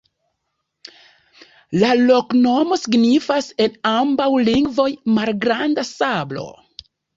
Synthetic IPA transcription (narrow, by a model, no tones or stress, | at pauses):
lalo̞kno̞mo̞siɡnifase̞nambawliŋɡvo̞jmalɡɾandasablo̞̰